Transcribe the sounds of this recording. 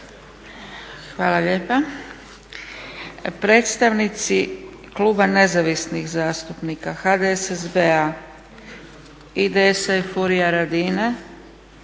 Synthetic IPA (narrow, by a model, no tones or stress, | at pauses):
xʋaːlˠaʎeːpa | pɾe̞ːt̪st̪aʋnit̪si | kluːbane̞zaʋisnixzaːst̪upnikaxad̪eesezbea | id̪eesajfuɾijaɾad̪ine